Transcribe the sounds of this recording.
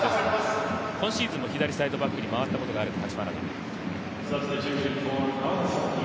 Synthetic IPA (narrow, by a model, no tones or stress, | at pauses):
es | kõ̞ɕiːzɨ̃mːoçid̪aɾʲisaid̪o̞bakːɯ̟ɲ̟imaβ̞at̪ːako̞t̪o̞ɡaːɾɯt̪ah̪at͡ɕimaɾana̰ | sɐbsitʉːʃɨ̃nfoːa